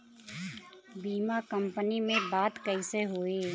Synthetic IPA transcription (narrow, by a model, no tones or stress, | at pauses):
biːmakə̃mpənimẽbaːt̪kəɪseɦoːeː